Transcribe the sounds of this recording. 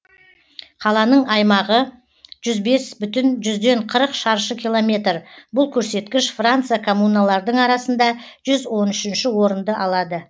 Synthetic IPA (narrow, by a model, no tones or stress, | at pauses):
qʰɑlˠɑnəɴɑjmɑʁə | ʒ̥ʏzbe̞sbʏt̪ɪnʒʏzd̪e̞ɴqʰəɾəqʃɑɾʃəkʲʰijlˠo̞mʲe̞t̪rbʊlˠkʲʰɵɾse̞t̪kʲɪʃfrant̪sɨjakʰomunalˠɑɾd̪əɴɑɾɑsənd̪ɑ | ʒ̥ʏzwo̞nʏʃɪnʃɪwo̞ɾənd̪əʔɑlˠɑd̪ə